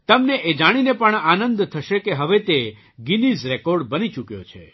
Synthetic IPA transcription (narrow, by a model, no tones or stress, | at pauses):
t̪əmneʔed͡ʒaɽ̃inepəɳanənd̪t̪ʰəʃekeɦəʋet̪e | ɡinizɾɛkɔɾɖbənit͡ʃukjo̰t͡ʃʰḛ